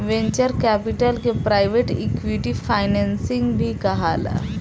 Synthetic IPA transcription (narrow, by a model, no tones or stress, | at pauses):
ʋẽɲt͡ɕəɾkæpiʈəlkepɾajʋeʈikʋiʈifajnɛnsiŋɡbʱiːkaɦala̰